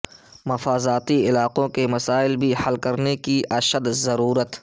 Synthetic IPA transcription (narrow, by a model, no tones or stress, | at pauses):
mɐfaːzaːt̪iɪlaːqõkemɐsaːɪlbʱihɐlkɐɾnekiʔɐʃəd̪zɐɾuːɾət̪